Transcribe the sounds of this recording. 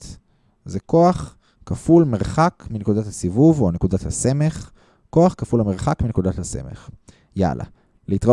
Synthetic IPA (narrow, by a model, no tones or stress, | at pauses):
t | zeko̞aχ | kafulmeʁχakminekudathasivuvone̞kudat̪hase̞me̞χ | ko̞aχkafulhame̞ʁχakminekud̪at̪hase̞̰mḛχ | ja̰lʔa̰ | liit̪ʁa